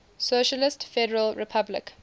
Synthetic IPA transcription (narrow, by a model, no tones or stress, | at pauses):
soʃəlɪstfɛɾəɹəlɹɪpʰablɪ̰k